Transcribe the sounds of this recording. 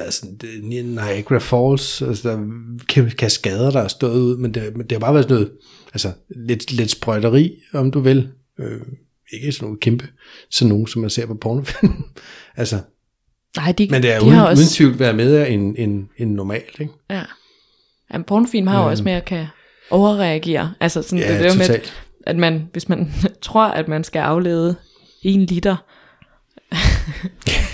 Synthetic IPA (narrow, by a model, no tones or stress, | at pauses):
ʋæɐð̩ˠsɒ̽n̥nnɑɪeɡ̥ʁɐfɒːlsælsəd̥ɑ̈kʰækʰæsɡ̥ɛð̞ˠɐɾ̥ɑ̈æsd̥ɔ̰̽ːðˠuð̰ˠmend̥emend̥e̝hɑʊb̥ɑ̈ːʋæɐsnɔ̽ːð̩ˠ | ælsəled̥led̥sb̥ʁɶɾ̥ɐʁḭːɒ̽md̥uʋe̝l | ø | e̝ɡ̥əsɒno̝ːn̩kʰemb̥ə | sɒ̽nːo̝ːsɒ̽mːænse̝ɐ̰pʰɒ̽pʰɒːnofilm | ælsə | nɑ̈ɪ̰d̥imend̥eæiɑuðˠn̩t͡sʰiʊ̰d̥ʋæːɐmeðˠæene̝ne̝nːɒmɛ̰ːld̥eɡ̥jæ | jæmpʰɒnofilmhɑ̈joɒ̽səmeækʰæ | ʔɒʊɐʁɛæɡ̥e̝̰ːɐʔælsɐsɒ̽nd̥ed̥eɐmeɛ̰ːld̥ | ʔæd̥mænʋe̝smænt͡sʰʁo̝ɐ̰ʔæd̥mænsɡ̥æʔɑ̈ʊlḛːð̞ˠə | e̝ːnlid̥ɐ